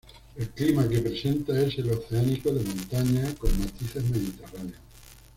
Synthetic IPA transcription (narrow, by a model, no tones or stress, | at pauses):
e̞lklimake̞pɾe̞se̞nt̪ae̞se̞lo̞θeanikoðe̞mõnt̪aɲako̞ŋmat̪iθe̞zme̞ð̞it̪e̞raneo